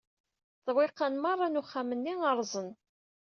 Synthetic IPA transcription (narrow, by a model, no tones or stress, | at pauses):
θwɪqːanmɑrˤːɑnuχːamənːiŋəɾˤzˤən